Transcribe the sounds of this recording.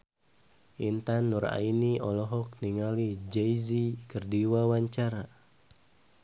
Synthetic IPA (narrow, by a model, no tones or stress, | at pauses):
ʔint̪anːuɾa̰iniɔlɔɦɔk̚niŋalid͡ʒɛjzikərdiwawaɲt͡ʃaɾa